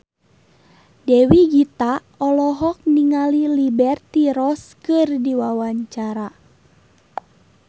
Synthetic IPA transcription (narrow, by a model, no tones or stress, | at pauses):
dɛwiɡit̪a | ɔlɔɦɔk̚niŋalilibɛrt̪iɾɔskɨrdiwawaɲt͡ʃaɾa